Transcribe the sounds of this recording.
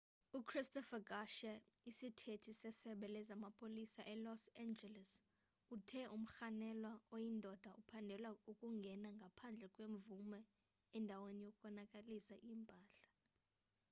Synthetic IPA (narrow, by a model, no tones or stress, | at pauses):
ukʰristɔfaɡaʃɛ | isitʰetʰisɛsɛɓɛlɛzamapʰʼolisaʔɛlɔsand͡ʒɛlɛs | utʰɛʔum̩xanɛlwaojindʱɔd̥ʱaʔupʰandʱɛlwaukʼuŋɡʱɛnaŋɡʱapʰand͡ɮʱɛkʼweɱvumɛː | ndʱawenijokʼɔnakʼalisaʔiːmpʼaːɬḁ